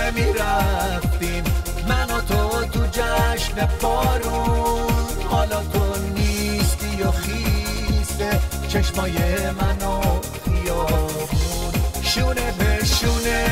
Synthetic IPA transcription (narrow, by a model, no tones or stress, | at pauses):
miɾæft̪im | mænɔt̪ʰot̪ud͡ʒæʃnebɔɾunn | hɔlɒt̪ʰonist̪ijɔxise | t͡ʃʰeʃmɔːjemænɔ | bijɔbunʃunebeʃune